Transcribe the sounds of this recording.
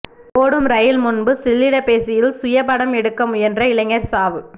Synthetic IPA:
poːɽɯmɾɐjɪlmʊnbɯsɪlːɪɽɐpeːsɪjɪlsʊjɐpɐɽɐmɛɽɯkːɐmɛndrɐɪlɐŋːɐɾsaːʋɯ

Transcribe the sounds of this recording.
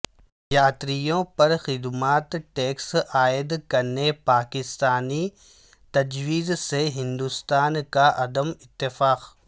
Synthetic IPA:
jaːt̪ɾijõpɐɾxɪd̪maːt̪ʈeːksaːɪd̪kɐɾnepaːkɪst̪aːni | t̪ɐd͡ʒwiːzseɦɪ̃nd̪ust̪aːnkaʔɐd̪əmɪt̪ːɪfaːq

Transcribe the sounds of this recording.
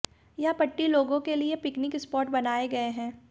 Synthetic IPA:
japɐʈːiloːɡõkeliepɪknɪkɪspɔːɾʈbɐnaːeɡɐeɦɛ̃ː

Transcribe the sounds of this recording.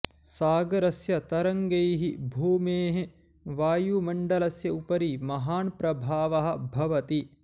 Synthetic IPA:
saːɡɐɾɐsjɐt̪ɐɾɐŋɡejɦibʱuːmeːɦe | ʋaːjumɐɳɖɐlɐsjɐupɐɾimɐɦaːnpɾɐbʱaːʋɐɦɐ̆bʱɐʋɐt̪i

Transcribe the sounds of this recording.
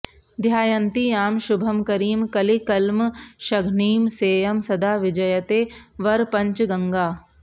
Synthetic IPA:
d̪ʱjaːjɐnt̪iaːmʃʊbʱɐmkɐɾiːmkɐlikɐlmʃɐɡʱɳiːmseːjɐmsɐd̪ʱaːʋɪd͡ʒɐjɐt̪eːʋɐɾpɐ̃ɲt͡ʃɡɐŋɡaː

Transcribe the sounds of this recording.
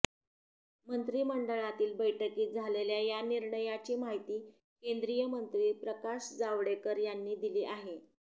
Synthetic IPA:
mənt̪ɾiːməɳɖəɭat̪iːlbəjʈəkiːd͡zʱaleljajaniɾɳəjat͡ɕiːmaɦit̪iː | kend̪ɾijəmənt̪ɾiːpɾəkaɕd͡zaʋɽekəɾjanːiːd̪iliːʔaɦe

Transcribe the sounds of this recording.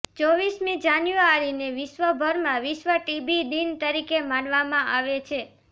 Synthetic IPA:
t͡ʃɔʋismĩd͡ʒanjuaɾineʋiʃʋəbʱəɾmãʋiʃʋəʈibid̪int̪əɾikemãnʋamãʔaʋet͡ʃʰe

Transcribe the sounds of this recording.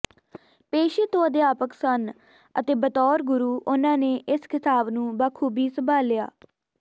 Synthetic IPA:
peːʃeːt̪õːd̪eaːpəksən | ə̰t̪eːbət̪ɔːɾɡʊɾuːʔʊnãːneːʔɪskʰɪt̪aːbnũːbaːkʰuːbʱiːsəbʱaːlɪja̰ː

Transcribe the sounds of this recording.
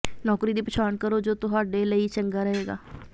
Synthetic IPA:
nɔːkɾiːd̪iːpɪt͡ʃʰaːnkəɾoːd͡ʒoːt̪ʊɦaːɖeːləiːt͡ʃəŋɡaːɾəɦeːɡa̰ː

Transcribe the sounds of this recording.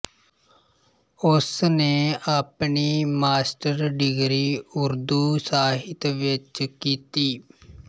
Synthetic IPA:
ʊsneːʔaːpɳiːmaːsʈəɾɖɪɡɾiːʊɾd̪uːsaːɦɪt̪ʋɪt͡ʃkiːt̪iː

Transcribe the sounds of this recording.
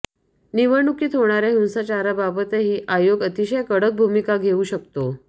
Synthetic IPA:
niʋəɳukiːt̪ɦoɽ̃aɾeɦũw̃sat͡ɕaɾababət̪eɦiːʔajoɡət̪iɕəjkəɽək̚bʱumikaɡʱeuːɕəkt̪o

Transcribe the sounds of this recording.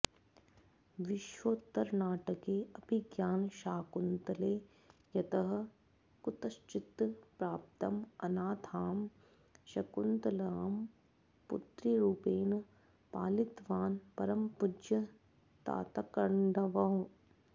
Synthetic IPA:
ʋɪʃʋoːt̪ːɐɾnaːʈɐkeːɐpiɡjaːnʃaːkunt̪ɐleː | jɐt̪ɐɦɐ̆ | kt̪ɐst͡ʃɪt̪pɾaːp̚t̪ɐmɐnaːt̪ʰaːm | ʃɐkunt̪ɐlaːm | pṵt̪ɾiɾuːpeːn | paːlit̪ʋaːnpɐɾɐmpud͡ʒjɐ | t̪a̰ːt̪ɐkɐɳɖɐʋɐɦũ

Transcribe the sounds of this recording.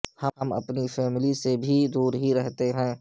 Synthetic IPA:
hɐmɐ̰pnifʰɛːmɪlisebʱid̪uːɾɦiɾɛɦt̪eɦɛ̃ː

